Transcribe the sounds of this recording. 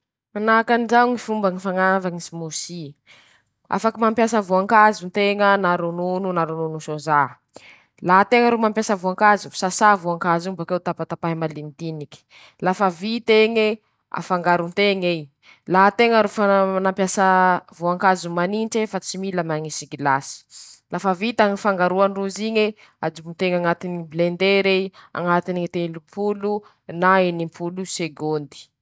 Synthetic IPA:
anakanzaŋifumbaŋifaŋavaŋisimusi | a̰fakimampjasəvuaŋkazunt̪eŋənaɾunununaɾununusoza | laɦt̪eŋəɾomampjasəvuaŋkazu̥sasavuaŋkazubakewt̪apat̪apaɦimalimit̪iniki̥ | lafavit̪eŋe | a̰faŋɡaɾunt̪eŋej | laɦat̪eŋəɾufaanampjasavoaŋkazumaninʈ͡ʂefat͡similəmaŋisiɡilasi̥lafavit̪aŋifaŋɡaɾuanruziɲe | ad͡ʒubunt̪eŋaŋat̪iniblend̪eɾea̰ŋat̪iniit̪elumpʰulu | naenimpʰuluseɡond̪i̥

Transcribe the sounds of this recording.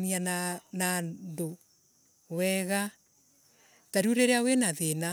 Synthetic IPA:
niannando | wɛɣa | taɾuɾeɾeawenaðena

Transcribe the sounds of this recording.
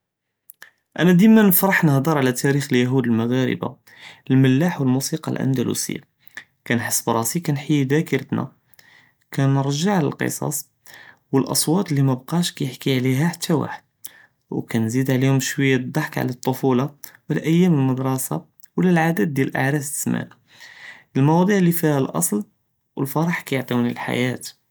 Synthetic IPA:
ʔænæd̪imænəfɾˤəħnəhd̪əɾˤʕlæt̪æɾixəljæɦud̪əlmaɣæɾə̰ba̰ | əlməlːaħwəlmusiqɑ̰lʔæ̰nd̪ælṵsə̰jːa̰ | kænħəsːəbɾˤɑsikænħəjːd̪ækəɾət̪næ̰ | kænəɾˤʒaʕlæ̰lqə̰sˤɑ̰sˤ | wəlʔɑsˤwɑt̪ˤlːimæbqɑʃkæjəħkiʕliɦæħat̪ʰːæwa̰ħəd̪̥̚ | wkænzid̪ʕlihʊmʃwəjːæd̪ˤːɑħkʕ̰læt̪ˤːofulɑwəlʔæjːæməlməd̪ɾˤɑsa̰ | wəlːælʕad̪æd̪̚ːjælʔa̰ʕɾæft̪ə̥smæ̰n | əlmɑwɑd̪ˤiʕlːifihælʔɑ̰sˤl | wəlfɑɾˤɑħkæjəʕt̪ˤiwnilħa̰jæt̪

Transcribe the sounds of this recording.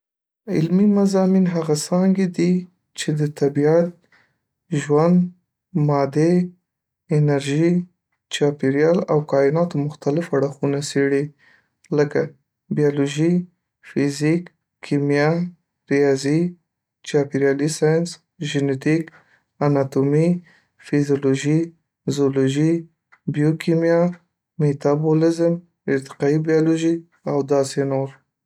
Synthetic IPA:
ɪlmimazɑminɦaɣasɑŋɡed̪i | t͡ʃed̪ət̪abiat̪̚ | ʒwand̪ | mɑd̪e | ɪnaɾʒi | t͡ʃɑpiɾjɑlawkɑɪnɑt̪omʊxt̪alɪfaɽaxunaseɽi | ləka | bijɑloʒi | fizik | kʰːimjɑ | ɾijɑzi | t͡ʃɑpiɾjɑlisɑjɑns | ʒɪnet̪ik | anɑt̪omi | fizjoloʒi | zoloʒi | bijokʰimjɑ | met̪abolɪzm | ɪɾt̪ɪ̥qɑibijɑloʒi | awd̪ɑsenoɾ

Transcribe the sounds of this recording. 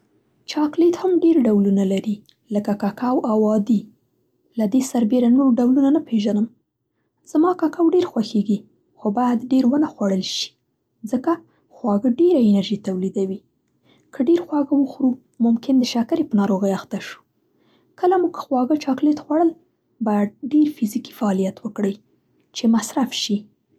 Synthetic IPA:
t͡ʃɑklet̪hamɖeɾɖawlunalaɾi | ləkakakawawɑd̪i | lad̪esaɾbeɾanoɾɖawlunanapeʒanəm | z̥amɑkɑkawɖeɾxwaxeɡi | xobɑjad̪ɖeɾwənaxwaɽəlʃi̥ | zəka | xwɑɡəɖeɾaɪnaɾʒit̪awlid̪awi | kʰəɖeɾxwɑɡəwəxɾu | mʊmkɪnd̪əʃakaɾepənɑɾoɣəjaxt̪aʃu̥ | kəlamuɡkʰə̥xwɑɡət͡ʃɑklet̪xwaɽəl | bɑjad̪̚ɖeɾfiziki̥faɑlijat̪wəkɽəj | t͡ʃemasɾafʃi

